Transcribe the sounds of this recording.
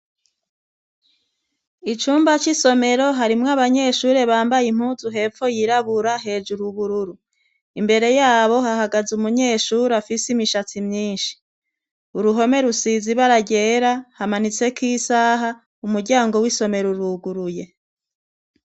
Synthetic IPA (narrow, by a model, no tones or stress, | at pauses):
it͡ʃuːmbat͡ʃiso̞me̞ɾo̞ɦaɾimŋaβaɲe̞ːʃuːɾe̞βaːmbajim̥huːzuɦe̞ːfo̞jiɾaβuɾaɦe̞ːd͡ʒuɾuβuɾuɾu | imbe̞ɾe̞jaːβo̞ɦaɦaɡazumuɲe̞ːʃuːɾafisimiʃat͡simɲiːnʃi̥ | uɾuɦo̞me̞ɾusiziβaɾaɟeːɾahamanit͡se̞kiːsaːɦa | umuɾɟaːŋɡo̞wiso̞me̞ɾuɾuɡuɾuje̞